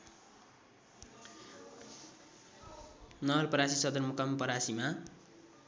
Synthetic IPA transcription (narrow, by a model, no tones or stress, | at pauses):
nʌʌlpʌɾasisʌd̪ʌrmukampʌɾasima